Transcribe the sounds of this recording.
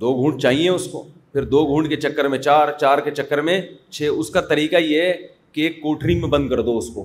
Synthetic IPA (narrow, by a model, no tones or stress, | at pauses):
d̪oːɡʱũːɳɖt͡ʃaːɦiẽʊsko̰ːpʰɪɾd̪oːɡʱuːɳɖket͡ʃɐkːəɾmẽt͡ʃaːɾt͡ʃaːɾket͡ʃɐkːəɾmẽt͡ʃʰeːʊskat̪ɐɾiːkaje | keeːkːoːʈɾimẽbɐ̃nd̪̚kɐɾd̪oʊskoː